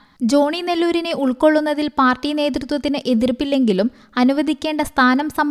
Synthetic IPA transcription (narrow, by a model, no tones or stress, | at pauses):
d͡ʑo̞ːɳinelːuːɾine̞ʔuɭko̞ɭːunːɐðilpaːrʈːine̞ːt̪̬rut̪wɐt̪ːinɨʔe̞ðirpːilːe̞ŋɡilum | ɐnuʋɐd̪ʱikʲːe̞ːɳɖɐst̪ʰaːnɐmsɐm